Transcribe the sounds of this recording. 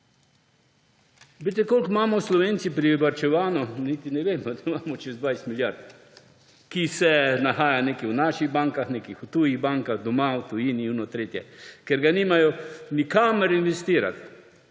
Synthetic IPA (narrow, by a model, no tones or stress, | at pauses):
bet̪ɛkolkmaːmɔslɔʋeːnt̪sipɾiʋaɾt͡ʃɛʋaːnɔnit̪inɛʋeːmɔd̪amaːmɔt͡ʃɛzd̪ʋajst̪miljaɾt̪ | kisɛnaxaːjaneːkɛwnaːʃiɣbaŋkaxneːkixut̪uːjiɣbaŋkaɣd̪ɔmawt̪ujiːniunɔt̪ɾeːt̪jɛkɛɾɡanimajɔnikaːmɛɾinʋɛst̪iːɾa̰t̪